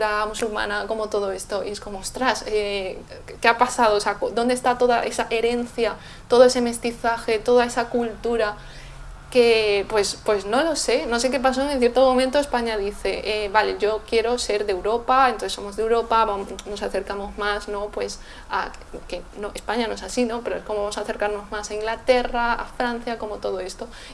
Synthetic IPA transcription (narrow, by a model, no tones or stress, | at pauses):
uɾamusulmã̰nako̞mot̪oð̞oest̪oʔieskomoost̪ɾase | keapasað̞oseakod̪ond̪est̪at̪oðaʔesaʔeɾẽ̞n̟θja | t̪oð̞oeseme̞st̪iθaxet̪oð̞aesakult̪uɾa | kepwespwe̞znolosenos̬ek̬epas̬oeŋenθje̞ɾt̪omomẽnt̪oespaɲaðiθeʔeβaleʝokjeɾoseɾðewɾopaenõθesomozðewɾopaβamnosaθeɾkamozmasnõpwes | a̰ | kenõespaɲanõesasinõpeɾoeskomβamosaθeɾkaɾnozmasaiŋɡlat̪eraa̰fɾãn̟θjakomot̪oð̞oest̪o